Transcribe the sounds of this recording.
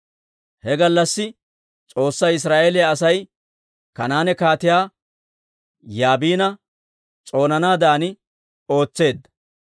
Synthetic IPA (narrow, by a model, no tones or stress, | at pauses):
hɛɡɐlːɐsːɪ | t͡sʼo̞ːsːɐɪs̬ɾaːʔeːlɪjɐːsɐj | kɐnaːnɛkaːt̪ɪjaː | jaːbiːnɐ | t͡sʼo̞ːnɐnaːd̪aːnɪ | o̞ːt͡sːe̞ːd̪ːɐ